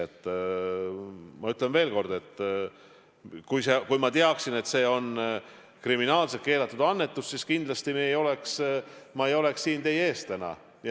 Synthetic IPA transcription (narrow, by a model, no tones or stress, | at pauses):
et̪ːˑ | mɑyt̪ˑle̞nve̞ːlko̞rd̪̥e̞t̪ːˑ | kujsekujmɑt̪eɑksine̞t̪se̞ːo̞n | kriminɑːlset̪ke̞ːlɑt̪ːˑud̪̥ɑnːe̞t̪ːˑussiskind̪̥lɑst̪imeejo̞le̞ksmɑe̞jo̞le̞ksːiːnt̪e̞je̞ːst̪t̪ænɑ̰ | j